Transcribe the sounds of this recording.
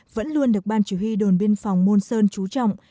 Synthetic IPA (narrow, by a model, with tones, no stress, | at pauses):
və̰˧˥nlu˧ənɗɨ˨˩ək̚ɓaː˧nt͡ɕu˧˩hi˧ɗo˨˩nɓi˧ənfɔ˨˩wŋ͡mmo˧nsəː˧nt͡ɕu˨˦t͡ɕɔ̰˧˨wŋ͡m